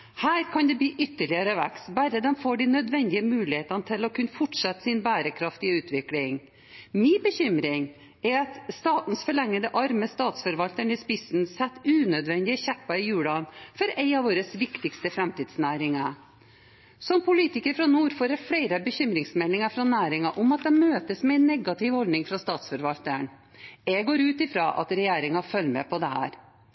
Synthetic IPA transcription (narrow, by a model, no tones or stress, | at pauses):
hæːɾkʰɑnd̪ɛbiːʔʏt̪ːəɭɪəɾəʋækst̪bæɾəd̪ɛmfoːɖinœd̪ʋɛnd̪ɪəmʉːlɪheːt̪ɑnt̪ʰɪlɔkʰʉnːəfɔʈʂɑt̪ːsɪnbæːɾəkʰɾɑft̪ɪʉːt̪ʰʋɪklɪŋ | mɪːbəçʏmɾɪŋ | ɛɑt̪st̪ɑːt̪n̩sfɔɭɛŋːəd̪əʔɑɾməst̪ɑːt̪sfɔɾʋɑlt̪əɳɪspɪsn̩sɛt̪ːʉːnœd̪ʋɛnd̪ɪəçæpːɑɪjʉːɽɑnfɔɾɛɪɑʋoːɾəsʋɪkt̪ɪkst̪əfɾɛmt̪iːd̪snæːɾɪŋɑ | sɔmpʊliːt̪ɪkəɾfɾɑnuːɾfoːɾɛfɽæɪɾəbəçʏmɾɪŋsmɛlːɪŋɑfɾɑnæːɾɪŋɑʔʊmɑt̪̚d̪ɛmøːt̪əsmɛɛɪnːɛɡɑt̪ɪʋhɔld̪nɪŋfɾɑst̪ɑːt̪sfɔɾʋɑlt̪əɳ | ɛɡoːɾʉːt̪ɪfɾɑʔɑ̰t̪ɾɛjeːɾɪŋɑfœlːmɛ̰pʰɔd̪ɛhæ̰ːɾ